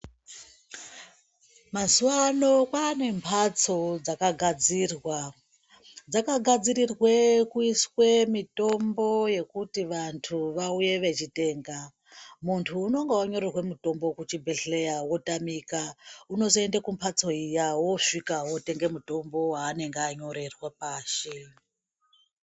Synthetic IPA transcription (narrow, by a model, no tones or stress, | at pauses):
mazuwano̞kwaːne̞mpʰat͡so̞d͡zakaɡʱad͡zirwa | d͡zakaɡʱad͡zirirwe̞kuiswe̞mito̞mbo̞je̞kutiʋantʰuʋauje̞ʋe̞t͡ʃite̞ːŋɡa | muntʰuːno̞ŋɡewaɲo̞ɾirwe̞muto̞mbo̞kut͡ʃibʱe̞ɮe̞jawo̞tamikauno̞zoe̞ndakumpʰat͡so̞ijawo̞ʂikawote̞ŋɡe̞muto̞mbo̞ɦaːne̞ŋɡeaɲo̞ɾe̞rwapaːʃe